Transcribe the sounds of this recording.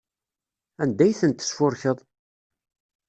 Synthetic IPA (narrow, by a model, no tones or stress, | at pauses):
ænd̪æjθənt̪ːə̥sfʊɾçəðˤ